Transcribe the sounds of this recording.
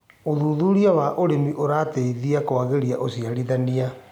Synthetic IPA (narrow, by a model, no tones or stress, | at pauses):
oðuðuɾiawaʔoɾemiʔoɾateiðiakoaɣeɾiaʔosiaɾiðania